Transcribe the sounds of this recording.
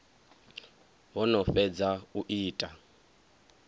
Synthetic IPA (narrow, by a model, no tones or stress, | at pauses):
βɔnɔfɛd͡zauʔiːtʼa